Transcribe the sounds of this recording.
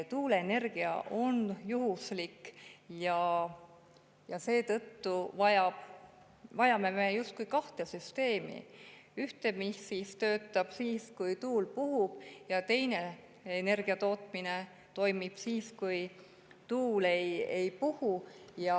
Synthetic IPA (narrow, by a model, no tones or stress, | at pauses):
t̪uːleene̞rɡ̥iɑ̰ʔo̞njuɦuslikjɑ | jɑse̞ːt̪ɤt̪ːuvɑjɑb̥ | vɑjɑme̞mejust̪̚kujkɑht̪e̞syst̪e̞ːmḭyht̪e̞misist̪ø̞ːt̪ːˑɑb̥siːskujt̪uːlpuɦub̥jɑt̪e̞jne̞ | ene̞rɡ̥iɑt̪o̞ːt̪mine | t̪o̞jmib̥siːskuj | t̪uːle̞je̞jpuhujɑ